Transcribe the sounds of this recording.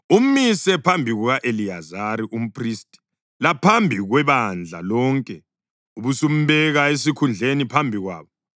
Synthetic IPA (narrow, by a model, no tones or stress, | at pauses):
um̩misɛpʰambʱiɣuɣaʔeliazaɾiʔum̩pʼristʼi̥ | lapʰambʱiɣwɛβand͡ɮʱa̰lɔŋkʼɛ | uβusum̩βɛɣaes̬ikʰund͡ɮʱenipʰambʱiɣwa̰ːβɔ